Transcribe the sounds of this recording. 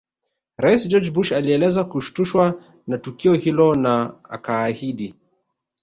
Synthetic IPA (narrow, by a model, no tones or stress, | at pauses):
ɾaisd͡ʒɔd͡ʒbuʃaliɛlɛzakuʃu̥tuʃwa | natukiɔhilɔnaa̰kaːhiɗi